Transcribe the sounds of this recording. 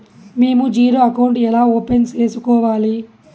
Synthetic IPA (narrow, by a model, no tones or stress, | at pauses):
meːmud͡ʒiːɾoːɐkɐwɳʈɛlaːoːpent͡ʃeːsukɔːʋaːli